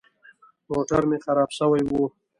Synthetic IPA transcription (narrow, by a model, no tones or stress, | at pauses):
moʈaɾmexaɾɑbsəwajwu